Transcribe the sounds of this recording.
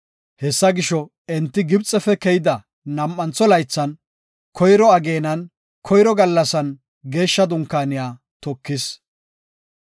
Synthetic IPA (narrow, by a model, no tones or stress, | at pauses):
hɛsːɐɡɪʃɔ | ɛnt̪ːɪɡɪbt͡sʼːɛfɛkɛjɪd̪ɐ | nɐmʔːɐnt͡sːɔlɐjt͡sːɐn | kʰɔjɾɔɐɡeːnɐn | kʰɔjɾɔɡɐlːɐsɐn | ɡe̞ːʃːɐd̪ʊŋkːaːnɪjaː | t̪ɔkːɪs